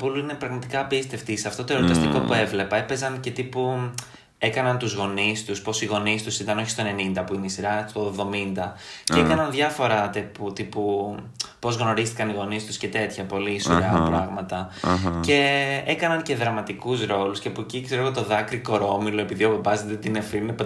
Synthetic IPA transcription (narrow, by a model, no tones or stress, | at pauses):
puluine̞pɾɐɣmɐt̪ikɐːpist̪e̞ft̪iseɐft̪o̞t̪oe̞ɾot̪iɐst̪iko̞pue̞vlepɐe̞pe̞zɐnce̞t̪ipu | e̞kɐnɐnt̪uzɣo̞nist̪uspo̞siɣo̞nist̪usit̪ɐno̞çi̥st̪o̞ne̞nind̪ɐpuineisiɾɐst̪o̞vðo̞mind̪ɐceekɐnɐnðʝɐfo̞ɾɐt̪eput̪ipu | po̞zɣno̞ɾist̪i̥kɐniɣo̞nist̪usce̞t̪e̞t̪çɐpo̞lisoɾɐpɾɐɣmɐt̪ɐce̞ekɐnɐnce̞ðɾɐmɐt̪ikusɾo̞luscepuecikseɾoot̪o̞ðɐkɾiko̞ɾo̞milo̞e̞piðio̞vobɐzðet̪inefine